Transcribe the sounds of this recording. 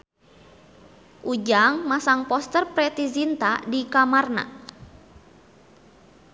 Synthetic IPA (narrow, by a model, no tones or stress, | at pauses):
ʔud͡ʒaŋmasaŋpɔst̪ərpɾɛt̪izint̪adikamarna̰